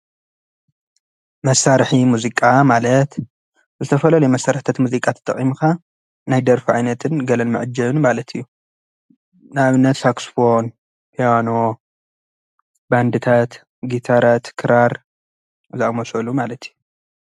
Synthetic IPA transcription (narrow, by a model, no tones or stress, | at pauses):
mɐsːaɾħimuzikʼamalɐt̪ | zɨt̪ʰɐfɐlɐlujmɐsaɾħt̪ʰat̪muzikʼat̪ʰɨ̥t̪ʼːɐ̰χʼimuka | najd̪ɐɾfiʕajnɐt̪ʰɨnɡɐlɐnmɨʕɨd͡ʒɐβnmalɐt̪ʰijːu | nɨaβɨnːɐt̪saksfon | pʰijano | band̪ɨt̪ʰat̪ | ɡit̪ʰaɾat̪kʰɨɾaɾ | zɨamɐsɐlumalɐt̪ʰijːu